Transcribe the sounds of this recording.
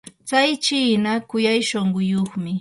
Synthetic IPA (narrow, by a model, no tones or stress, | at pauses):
t͡sajt͡ʃiːnakʊjajʃoɴɢʊjoχmɪ